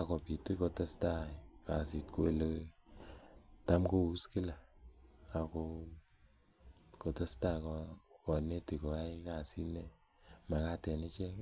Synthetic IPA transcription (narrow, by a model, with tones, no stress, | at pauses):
a˨kɔ˨pi˨ti˦ko˨ta˦sta˦ka˨si˨tku˦e˨le˦ | ta˦mko˦u˦ski˦la˨ | a˨ko˧ | ko˨ta˦sta˦kɔkɔ˨ne˦ti˨ko˨a˦ka˨si˦ne˦ | ma˨ka˦tɛ˨ni˦t͡ʃɛ˦ŋ˦